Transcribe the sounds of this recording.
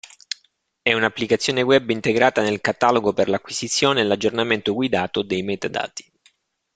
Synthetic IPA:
ɛunapːlikat̪sːjoːneɡwɛbːint̪eɡɾaːt̪anelkat̪aloɡoperlakːwisit̪sːjoːneːlad͡ʒːornament̪oɡwid̪aːt̪od̪ejmɛt̪ad̪a̰ːt̪i̥

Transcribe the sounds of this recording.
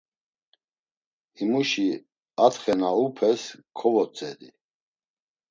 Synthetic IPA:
imuʃi | at̪χɛnaupʰɛskʰɔvɔt͡sʼɛd̪ḭ

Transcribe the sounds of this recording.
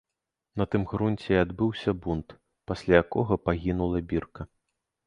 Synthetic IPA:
nɐt̪ɨmɣɾunʲt͡sʲɛad̪bɨwsʲɐbunt̪ | pasʲlʲajakɔɣɐpaɣʲinulˠɐbʲirkɐ

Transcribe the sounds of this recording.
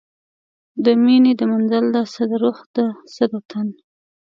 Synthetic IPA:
d̪əmined̪əmanzald̪asad̪əɾoxd̪əsəd̪at̪ʰan

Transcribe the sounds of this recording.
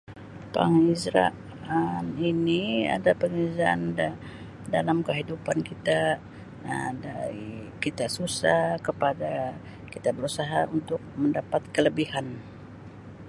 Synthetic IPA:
pa̰ŋizɾa̰ʔ | aninia̰dapəŋəzaa̰n | dalamkəɦidupankit̪a̰ | daɾḭkit̪asusahkəpada | kit̪abəɾusaɦaunt̪ʊk̚məndapat̪̚kələbihan

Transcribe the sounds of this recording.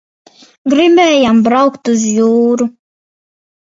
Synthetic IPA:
ɡɾimɛjambɾawkt̪uzjuːɾu

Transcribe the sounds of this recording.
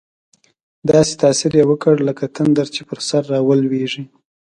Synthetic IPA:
d̪ɑse̥t̪ɑsɪɾjewəkəɽləkat̪and̪aɾt͡ʃepəɾsaɾːɑwəlweʐi

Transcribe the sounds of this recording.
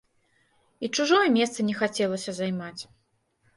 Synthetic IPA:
it͡ʂuʐɔjɛmʲɛst̪sɐnʲɛxat͡sʲɛlˠɐsʲɐzajmat͡sʲ

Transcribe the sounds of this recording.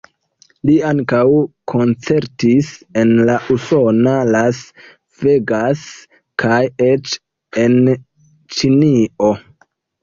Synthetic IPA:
liaŋkawkʰo̞nt͡se̞ɾtise̞nlaʔuso̞nalas | veɡas | kʰajet͡ʃ | en | t͡ʃinio̞

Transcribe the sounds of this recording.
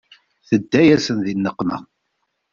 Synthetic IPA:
θəd̪ːæjæsənðinːəqːnə̰

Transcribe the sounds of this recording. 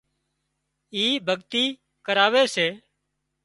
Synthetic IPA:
iːbʱəɠt̪iː | kəɾaːʋeːseː

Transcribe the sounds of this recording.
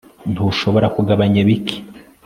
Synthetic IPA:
ntuʃo̞βo̞ɾakuɡaβaɲaβiki̥

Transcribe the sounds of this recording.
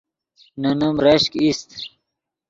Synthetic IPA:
nunumɾeɕkist̪

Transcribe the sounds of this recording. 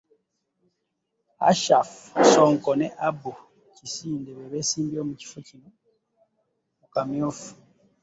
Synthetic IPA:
a̰ʃafsoːŋkoneʔabu | cisiːndeβeβesiːmbio̞ːmuci̥focino | mukamjoːfu̥

